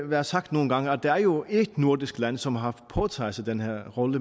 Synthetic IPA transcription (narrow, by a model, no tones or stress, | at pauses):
ʋæːɐsɑɡ̥̚d̥no̝ːn̩ɡ̥ɑ̈ŋəæd̥ææɐjo̝ed̥nuɐ̰d̥isɡ̥læn̰sɒ̽mɦɑ̈pʰɒːt͡sʰɑ̰̈ɪsæd̥enheɐʁɔ̽lə